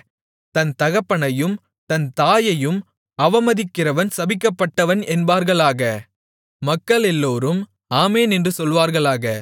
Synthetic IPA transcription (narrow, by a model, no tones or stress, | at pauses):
t̪ɐnt̪ɐɣɐpːɐɳɐjɯm | t̪ɐnt̪aːjɐjɯm | ɐʋɐmɐðɪkːɪrɐʋɐnsɐbɪkːɐpːɐʈːɐʋɐnɛnbaːɾɣɐɭaːɣɐ | mɐkːɐɭɛlːoːɾɯm | aːmeːnɛndrɯsɔlʋaːɾɣɐɭaːɣɐ